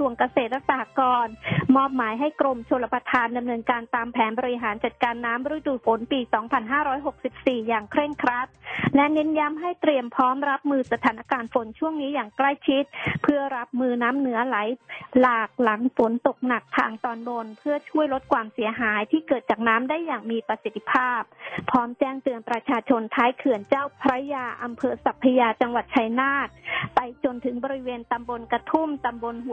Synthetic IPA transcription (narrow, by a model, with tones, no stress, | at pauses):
su˨˩əŋka˧seː˨˩t̪̚ɾa˦˥k̚saː˧ha˧˦kɔː˧nmɔː˥˩p̚maː˩˦jɦa˥˩jkɾo˧mt͡ɕʰo˧lːa˧pɾa˧t̪ʰaː˧nda˧mnɤː˧nkaː˧nt̪aː˧mpʰɛː˩˦nbɔː˧ɾi˧ɦaː˩˦nt͡ɕa˨˩t̪̚kaː˧nːaː˦˥mɾu˦˥˦jduː˨˩fo˩˦npiː˧sɔː˩˦ŋpʰa˧nɦaː˥˩ɾɔː˦˥jɦo˨˩k̚si˨˩p̚siː˨˩jaː˨˩ŋkʰɾe˥˩ŋkʰɾa˦˥t̪̚lɛ˦˥nɛ˦˥nja˦˥mɦa˥˩jt̪ɾi˧əmpʰɔː˦˥mɾa˦˥p̚mɯː˧sa˧t̪ʰaː˩˦nʔa˧kaː˧nfo˨˩˦nt͡ɕʰu˥˩əŋniː˦˥jaː˨˩ŋkla˥˩jt͡ɕʰi˦˥t̪̚pʰɯ˥˩ɐɾa˦˥p̚mɯː˧naː˦˥mnɯ˩˦ɐla˩˦jlaː˨˩k̚la˩˦ŋfo˨˩˦nt̪o˨˩k̚na˨˩k̚t̪ʰa̰ː˧ŋt̪ɔː˧nbo˧npʰɯ˥˩ɐt͡ɕʰu˥˩əjlo˦˥t̪̚kʰwaː˧msi˨˩˦ɦaː˩˦jt̪ʰiː˥˩kɤː˨˩t̪̚t͡ɕaː˨˩k̚naː˦˥mdaː˥˩jːaː˨˩ŋmiː˧pɾa˧si˨˩t̪ʰːi˧pʰaː˥˩p̚ʰːɔː˦˥mt͡ɕɛː˥˩ŋt̪ɯ˧ənpɾa˧t͡ɕʰaː˧t͡ɕʰo˧nt̪ʰaː˦˥jkʰɯ˨˩ənt͡ɕaː˥˩wpʰɾa˦˥jaː˧ʔa˧mpʰɤː˧sa˨˩pʰːa˧jaː˧t͡ɕa˧ŋwa˨˩t̪̚t͡ɕʰa˧jnaː˥˩t̪̚pa˧jt͡ɕo˧nt̪ʰɯ˩˦ŋbɔː˧ɾi˦˥weː˧nt̪a˧mbo˧nkɾa˧t̪ʰu˥˩mt̪a˧mbo˧nhu˨˩